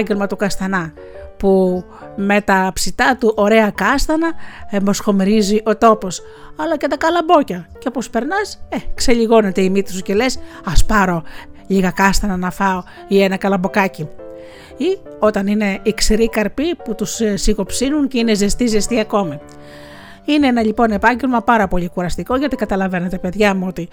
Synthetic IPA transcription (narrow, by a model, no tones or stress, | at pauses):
ɲɟe̞lmɐt̪ukɐst̪ɐnɐ | pu | me̞t̪ɐpsit̪ɐt̪uʔo̞ɾe̞ɐkɐst̪ɐnɐemo̞sxo̞miɾiziʔo̞t̪o̞po̞s | ɐlɐce̞t̪ɐkɐlɐbo̞cɐceopo̞spe̞ɾnɐsekse̞ʎiɣo̞ne̞t̪eimit̪usuce̞les | ɐspɐɾo̞ʎiɣɐkɐst̪ɐnɐnɐfɐo | ienɐkɐlɐmbo̞kɐci | i | o̞t̪ɐnine̞iksiɾikɐɾpiput̪ussiko̞psinunceinezest̪izest̪iɐko̞mi | ineenɐʎipo̞ne̞pɐɲɟe̞lmɐpɐɾɐpo̞ʎikuɾɐst̪iko̞ʝɐt̪ikɐt̪ɐlɐve̞net̪epe̞ðʝɐmuo̞t̪i